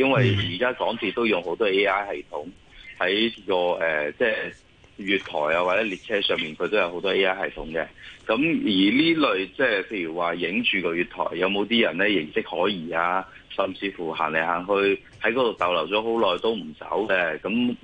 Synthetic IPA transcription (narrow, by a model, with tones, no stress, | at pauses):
jɐ˥nwɐ˨jjiː˨˩kaː˥kɔː˨˥ŋt͡siː˧t̪o˥wjʊ˨ŋɦo˨˥wt̪ɔː˥e˥aː˥jhɐ˨jt̪ʰʊ˨˥ŋ | hɐ˨˥jkɔː˧ʔɛː˨t͡sɛː˧ | jyː˨˧t̪̚ʰɔ̰ː˨˩jaː˧waː˨t͡sɛː˨˥li˨t̚t͡sʰɛː˥sœː˨˧ŋmiː˨nkʰɵ˨˧t̪o˥jɐ˧who˨˥wt̪ɔː˥e˥aː˥hɐ˨jt̪ʰʊ˨˥ŋkɛ̰ː˧kɐ˨˥mjiː˨˩liː˥lɵ˨˧ɥt͡sɛː˥˩pʰe˧jyː˨˩waː˨jɪ˨˥ŋt͡ʃyː˨kɔː˧jyː˨t̪ʰɔ̰ː˨˩jːɐ˨˧wmo˨˧wt̪iː˥jɐ˨˩nlɛː˥jɪ˨˩ŋsɪ˥k̚hɔː˨˥jiː˨˩aː˧ | sɐ˨mt͡siː˧fuː˨˩ɦa̰ː˨˩nle˨˩ɦaː˨˩ŋɦɵ˧ɥ | hɐ˨˥jkɔː˧t̪o˨˩wt̪ɐ˨wlɐ˨˩wt͡sɔː˨˥ɦo˨˥wlɔː˨jt̪o˥wm̩˨˩sɐ̰˨˥wkɛ˧kɐ˨˥m